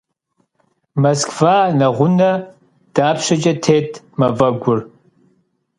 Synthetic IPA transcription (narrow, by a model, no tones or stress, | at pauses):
mɐskvaːnɐʁʷʊnɐ | d̥aːpʃɐt͡ʃʼɐtʰeːtʰ | mɐvɐɡʷʊr